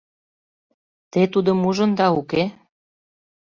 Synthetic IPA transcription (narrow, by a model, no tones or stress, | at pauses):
t̪et̪ud̪ə̆muʒə̆nd̪ɑuke